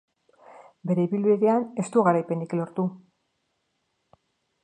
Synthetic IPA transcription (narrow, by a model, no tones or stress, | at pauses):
be̞ɾe̞iβilβiðe̞ane̞st̪uɣaɾajpe̞niklo̞ɾt̪u